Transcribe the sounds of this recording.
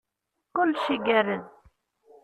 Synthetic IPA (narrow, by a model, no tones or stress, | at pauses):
kʊlːʃiɡæɾən